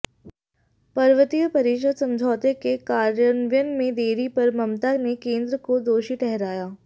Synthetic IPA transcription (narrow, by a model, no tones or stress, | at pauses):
pɐɾʋət̪ijəpɐɾiːʃəd̪sɐ̃md͡ʒʱɔːt̪ekekaːɾjənʋjənmẽd̪eːɾipɐɾmɐmt̪anekẽːnd̪ɾəkod̪oːʃiʈɛɦɾaːjaː